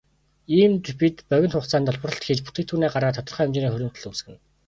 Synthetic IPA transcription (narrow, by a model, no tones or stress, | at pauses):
iːmt̪pit̪pœɣʲɪ̆nt̪χʊːχt͡saːnt̪ɔɮpə̆rɞ̆ɬt̪xiːt͡ɕput̪eːk̚t̪ʰuːneːɢarʁaːt̪ʰɔt̪ɞ̆rχœːʊmt͡ɕɪniːxɵɾʲɪ̆m̥t̪ɘ̆ɮuːsɡɘ̆n